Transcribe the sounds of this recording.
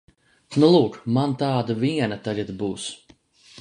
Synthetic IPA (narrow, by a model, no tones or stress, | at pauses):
nulˠuːkmant̪aːd̪aviɛnat̪aʎʲad̪buːs